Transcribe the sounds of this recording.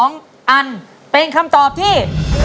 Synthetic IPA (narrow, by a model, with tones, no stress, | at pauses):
ŋ | ʔa˧n | pe˧nkʰa˧mt̪ɔː˨˩p̚t̪ʰiː˥˩